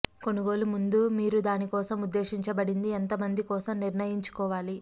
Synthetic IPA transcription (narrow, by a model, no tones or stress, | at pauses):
ko̞nuɡo̞ːlumund̪umiːɾud̪aːnikɔːsɐmud̪ːe̞ːʃiɲt͡ʃɐbɐɽind̪ient̪ɐmɐnd̪ikɔːsɐmniɾɳɐjiɲt͡ʃu̥kɔːʋaːli